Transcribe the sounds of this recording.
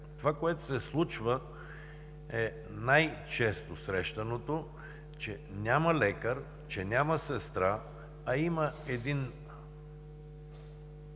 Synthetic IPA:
t̪ovakoɛt̪osɛslˠut͡ʃvə | ɛ | najt͡ʃɛst̪osɾɛʃt̪ɐnot̪o | t͡ʃɛ | nʲaməlɛkəɾ | t͡ʃɛnʲaməsɛst̪ɾaː | iməɛd̪in

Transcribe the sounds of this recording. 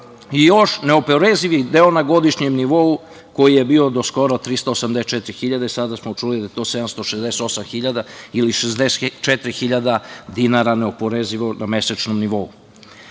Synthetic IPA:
ijoʃneopoɾeziʋid̪eonaɡo̞d̪iʃɲemniʋo̞u | ko̞jijebiːo̞d̪o̞sko̞ɾot̪ɾist̪oːsamd̪est͡ʃɛt̪ɾixiʎad̪eisad̪asmot͡ʃulid̪ajet̪o̞sed̪amst̪oʃezd̪eset̪o̞samxiʎad̪ailiʃezd̪est͡ʃɛt̪ɾixiʎad̪ad̪inaɾaneo̞poɾeziʋonameset͡ʃnomniʋo̞u

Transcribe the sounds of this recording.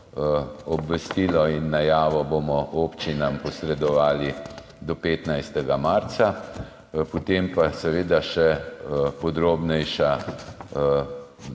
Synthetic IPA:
ɔbʋɛst̪iːlɔinːajaːʋɔbomɔʔoːpt͡ʃinampɔsɾɛd̪ɔʋaːli | d̪ɔpeːt̪najst̪ɛɡamaɾt̪sa | pɔt̪empasɛʋeːd̪aʃɛpɔd̪ɾoːbnɛjʃa

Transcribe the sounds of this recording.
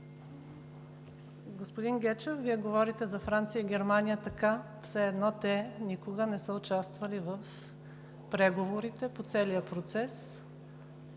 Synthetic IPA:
ɡospod̪inɡʲɛt͡ʃɛfviɛɡovɔɾit̪ɛzɐfɾant̪sijəiɡʲɛɾmanijət̪ɐka | fsɛːd̪nɔt̪ɛnikoɡənɛsəʊt͡ʃast̪vəlivɐf | pɾɛɡovoɾit̪ɛpot̪sɛlijəpɾot̪sɛs

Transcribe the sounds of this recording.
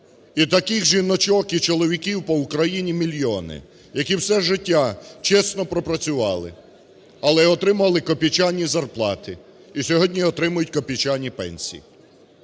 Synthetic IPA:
it̪ɐkɪxʒinɔt͡ʃɔkit͡ʃɔlˠɔʋʲikʲiwpɔʊkɾɐjinʲimʲilʲjɔnɪ̰ | jɐkiwsɛʒɪtʲːat͡ʃɛsnɔpɾɔpɾɐt͡sʲʊʋɑlˠɪ̰ | ɐlˠɛɔt̪ɾɪmʊɐlˠɪkɔpʲit͡ʃanʲːizɐrplˠɑt̪ɪ | isʲɔɦɔdʲnʲiɔt̪ɾɪmʊjʊtʲkɔpʲit͡ʃanʲipɛ̰nʲsʲḭjḭ

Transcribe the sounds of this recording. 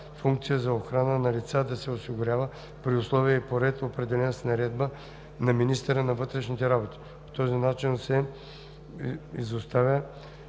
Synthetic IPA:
fuŋk̚t̪sijəzɐoxɾanənɐlit̪sad̪ɐsɛosiɡʊɾʲavə | pɾiʊslˠɔvijəipoɾɛt̪opɾɛd̪ɛlɛnəsnɐɾɛd̪̚bə | nɐminist̪ɛɾənɐvɤt̪ɾɛʃnit̪ɛɾabot̪i̥ | po̥t̪ɔzinat͡ʃinsɛ | izost̪avʲjə

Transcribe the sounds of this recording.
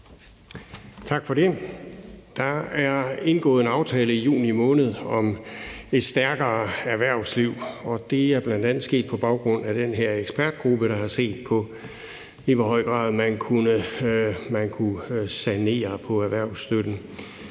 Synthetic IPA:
t͡sʰɑ̈ɡ̥fɒ̽ɾ̥e̝ | d̥ɑ̈æɐe̝nɡ̥ɔ̰̽ːðˠenɑ̈ʊt͡sʰɛːləijṵːnimɔ̽ːnəð̞̩ˠɒ̽me̝d̥sd̥æɐɡ̥ɐːæɐʋæɐ̰ʊsliʊ̰ɒ̽d̥e̝æɐb̥lænd̥ænð̩ˠsɡ̥e̝̰ːd̥̚pʰɒ̽b̥ɑ̈ʊɡ̥ʁɔ̽n̰æd̥enɦeɐ̰eɡ̥sb̥æɐd̥̚ɡ̥ʁub̥əɾ̥ɑ̈hɑ̈se̝̰ːd̥̚pʰɒ̽ | iʋɒɦɒ̽ɪ̰ɡ̥ʁɑ̰̈ːð̞ˠmænkʰunə | mænkʰusæne̝̰ːɐpʰɒ̽æɐʋæɐ̰ʊsd̥ød̥n̩

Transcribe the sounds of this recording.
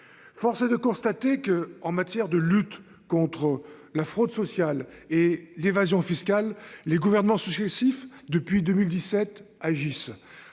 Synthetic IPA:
fɔʁsed̪əkɔ̃st̪at̪ekəɑ̃mat̪jɛʁd̪əlyt̪ | kɔ̃t̪χə | lafχod̪sɔsjal | elevazjɔ̃fiskʲalːeɡuvɛʁnəmɑ̃syksesifd̪əpɥid̪əmild̪isɛt̪ | aʒis

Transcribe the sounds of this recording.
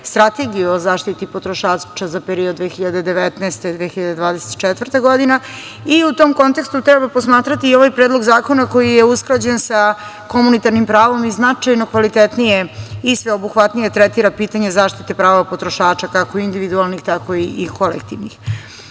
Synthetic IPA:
st̪ɾat̪eɡijiozaːʃt̪it̪ipo̞t̪ɾoʃaːt͡ʃazapeɾiod̪d̪ʋeːxiʎad̪e̞d̪eʋet̪nɛːst̪ed̪ʋexiʎad̪ed̪ʋaːd̪ese̥t̪t͡ʃɛt̪ʋr̩t̪eɡo̞d̪ina | iut̪omko̞nt̪e̞kst̪ut̪ɾɛbapo̞smaːt̪ɾat̪iːo̞ʋajpɾeːd̪lˠo̞ɡzaːko̞nako̞jijeuskɾad͡ʑensa | ko̞munit̪aɾnimpɾaːʋo̞miznat͡ʃajno̞kʋalit̪et̪nijeisʋeobuxʋat̪nijet̪ɾɛt̪iɾapiːt̪aɲe̞zaːʃt̪it̪epɾaːoapo̞t̪ɾoʃaːt͡ʃakako̞ind̪iʋid̪ualˠnixt̪ako̞iʔːkʰo̞lḛkt̪ḭʋnḭx

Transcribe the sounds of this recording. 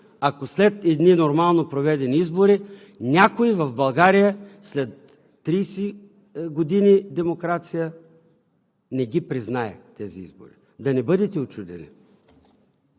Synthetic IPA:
akoslɛt̪ɛd̪ninoɾmalˠnopɾovɛd̪ɛniizboɾi | nʲakoivɐvbɐlˠɡaɾijəslɛt̪ː | ɾijsi | ɡod̪inid̪ɛmokɾat̪sijə | nɛɡʲipɾiznaɛ̰t̪ɛziḭzbo̰ɾḭ | d̪ɐnɛbɤd̪ɛt̪ɛot͡ʃud̪ɛ̰nḭ

